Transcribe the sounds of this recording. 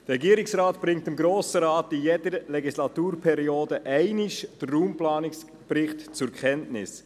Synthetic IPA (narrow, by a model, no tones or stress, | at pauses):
d̥əɾɛɡiːɾɪksɾaːtb̥ɾɪŋ̚tɪmɡɾoːsəɾɑːtijɛdəɾlɛɡislɑtuːɾpʰɛɾioːdəʔɛɪnɪʃd̥ərːuːmplɑːnɪks | b̥ɾɪχtt͡sʊɾkʰɛntnɪs